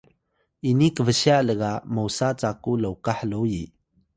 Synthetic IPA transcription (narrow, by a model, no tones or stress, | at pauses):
ʔinikəvəɕiaʔləɡamowsat͡sakuləwkaħlowji